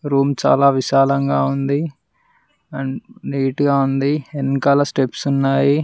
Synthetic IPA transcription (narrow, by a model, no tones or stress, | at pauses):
ɾuːmt͡ʃa̰ːlaːʋiʃaːlɐŋɡaːund̪i | niːʈɡaːund̪ienːkaːlasʈepsunːaːji